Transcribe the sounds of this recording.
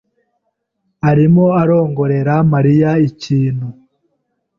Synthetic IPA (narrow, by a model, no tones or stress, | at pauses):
aɾimoaɾo̞ːŋɡo̞ɾe̞ɾamaɾijaiciːn̥hu